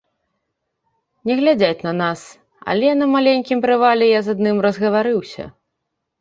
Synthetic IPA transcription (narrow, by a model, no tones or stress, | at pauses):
nʲɛɣlʲad͡zʲat͡sʲnɐnas | ɐ̰lʲɛnɐmalʲenʲkʲimpɾɨvalʲɛjazad̪nɨmrɐzɣɐvaɾɨwsʲɐ̰